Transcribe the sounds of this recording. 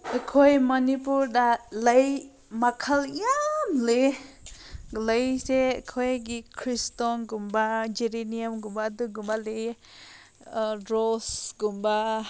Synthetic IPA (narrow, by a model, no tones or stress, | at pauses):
əkʰɔjmɔnipuɾdaləj | makʰalijamle | ləjsekʰɔjɡikʰɾistɔnɡumbad͡ʒiɾenijamɡumbaduɡumbale | ɾɔsɡumba